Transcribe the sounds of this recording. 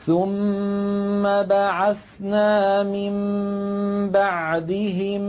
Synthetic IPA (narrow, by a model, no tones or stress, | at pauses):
θʊmː | abaʕaθ | naːmɪm | baʕd̪ɪɦɪm